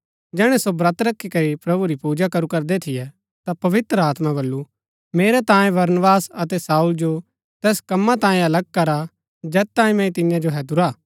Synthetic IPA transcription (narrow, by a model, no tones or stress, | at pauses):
d͡ʒɛːɽ̃ɛsobɾɐt̪ɾɐkʰːikɐɾipɾɐbuɾipuːd͡ʒakɐɾukɐɾd̪et̪ʰɪjɛ | t̪apɐʋɪt̪ɾəaːt̪mãbɐlːu | meːɾɛt̪ãːjẽbɐɾnəbaːsɐt̪ɛsaːuld͡ʒo | t̪ɛːskɐmːat̪ãːẽɐlɐɡ̚kɐɾa | d͡ʒɛːtt̪ãːĩmɛ̃ĩt̪ɪnjãd͡ʒoɦɛːd̪ʊɾaː